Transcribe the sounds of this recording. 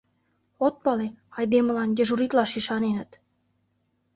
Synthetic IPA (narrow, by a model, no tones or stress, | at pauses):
ot̪̚pɑleɑjd̪emə̆lɑnd̪ʲeʒuɾit̪lɑʃiʃɑnenə̆t̪